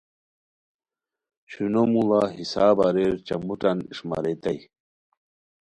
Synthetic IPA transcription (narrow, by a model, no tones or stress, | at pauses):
ɕunomulaɦisaːbaɾeɾt͡ɕɐmuʈɐniʂma̰ɾet̪ɐj